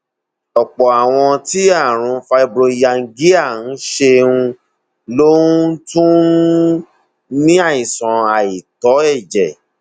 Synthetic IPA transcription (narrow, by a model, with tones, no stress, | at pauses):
ɔ˨k͡pɔ˨a˨w̃ɔ̃˧ti˨˦a˦˨ɾ̃ũ˧˦fa˧i˧bɾo˧i˧ja˧ŋ̩˦˧ɡi˦a˦˨n̩˨˦ʃe˧ũ˧ | lo˦ũ˦tũ˦ | nĩ˦a˦˨ĩ˨sã˨a˨i˨tɔ˨˦ɛ˦˨d͡ʒɛ˨